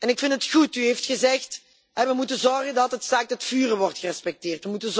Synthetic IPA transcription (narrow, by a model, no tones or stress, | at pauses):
ɛnɪkfɪntətχutyɦeftxəzɛxt | ɦɛʋəmutəzɔrɣəndɑtɦətsaːk̚tɔtfyːrəʋɔrtxərɛspɛk̚tɪːrtʋəmutənz